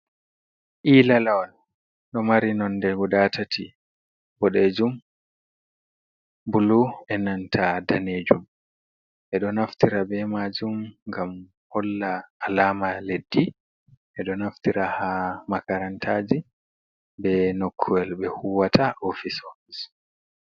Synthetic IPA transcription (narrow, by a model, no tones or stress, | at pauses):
ʔiːlalawɔn | ɗɔmaɾinɔndɛɡudatati | bɔɗed͡ʒum | buluɛnantʰadaneːd͡ʒum | ʔɛɗɔnaftiɾabɛmad͡ʒumŋɡam | hɔlːaːlaːmaledːi | ʔɛɗɔnaftiɾahamakaɾantʰaːd͡ʒi | bɛnokʰːuwɛlɓɛhuwataʔofisofis